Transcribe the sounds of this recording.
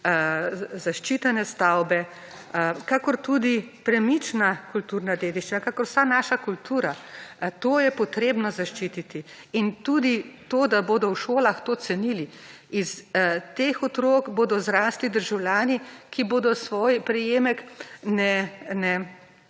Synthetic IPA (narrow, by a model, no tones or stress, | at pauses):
zaʃt͡ʃit̪ɛnɛst̪awbɛ | kakɔɾt̪ud̪ipɾɛmit͡ʃnakult̪uɾnad̪eːd̪iʃt͡ʃinakakɔɾwsanaːʃakult̪uːɾat̪oːjɛpɔt̪ɾeːbnɔzaʃt͡ʃiːt̪it̪i | int̪ud̪it̪oːd̪aboːd̪ɔwʃoːlaxt̪oːt̪sɛnili | ist̪eːxɔt̪ɾoːkboːd̪ɔzɾaːslid̪əɾʒawljaːnikiboːd̪ɔsʋɔːjpɾɛjeːmɛknɛnɛ